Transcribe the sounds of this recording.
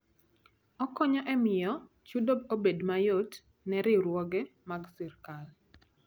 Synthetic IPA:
ɔkɔɲɔʔɛmɪjɔ | t͡ʃudob̚obedmajot | nɛɾɪɾwɔɡɛmaɡsɪɾkal

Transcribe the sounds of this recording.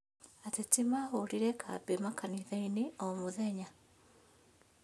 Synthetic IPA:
atetimahoɾiɾɛkʰa̰bemakaniðaineomuðɛɲa

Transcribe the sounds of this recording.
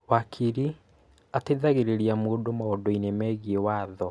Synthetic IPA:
wakʰiɾi | ateðaɣeɾeɾiamoːdomaɔdɔinɛmɛːɣiewaːðɔ

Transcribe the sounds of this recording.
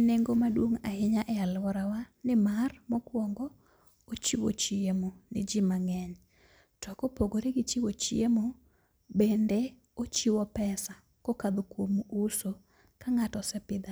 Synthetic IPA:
neŋɡomadwoŋahɪɲaʔɛalwɔɾawanɪmarmɔkwɔŋɡɔ | ot͡ʃiwo̰t͡ʃiemonɪ̰d͡ʒɪmaŋɛɲ | tɔkɔpoɡoɾeɡɪt͡ʃiwot͡ʃiemo | bende | ot͡ʃiwɔpɛsa | kokad̪okwomuuso | kaŋatɔsɛpɪd̪a

